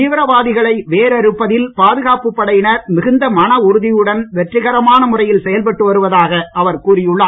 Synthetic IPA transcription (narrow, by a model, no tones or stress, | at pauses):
iːʋɪɾɐʋaːðɪɣɐɭɐɪʋeːɾɐɾɯpːɐðɪlpaːðɯɣaːpɯpːɐɽɐjɪnɐɾmɪɣɯnd̪ɐmɐnɐʊɾɯðɪjɯɽɐnʋɛʈrɪɣɐɾɐmaːnɐmʊrɐjɪlsɛjɐlpɐʈːɯʋɐɾɯʋɐðaːɣɐɐʋɐɾkuːɾɪjɯɭːaː